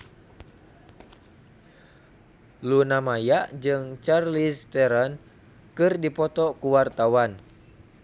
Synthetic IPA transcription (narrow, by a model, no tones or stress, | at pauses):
lunamajaʔd͡ʒɨŋt͡ʃarlist̪ɛɾɔn | kɨrdipɔt̪ɔkuwart̪awan